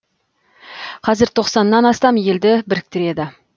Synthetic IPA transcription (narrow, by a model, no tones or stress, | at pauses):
qʰɑzɪɾt̪ʰo̞qsɑnːɑnɑst̪ɑmje̞ld̪ɪbɪɾɪk̚t̪ɪɾe̞d̪ɪ